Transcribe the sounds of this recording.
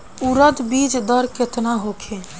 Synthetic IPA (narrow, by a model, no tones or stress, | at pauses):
uɾəd̪biːd͡ʒd̪əɾket̪naɦokʰe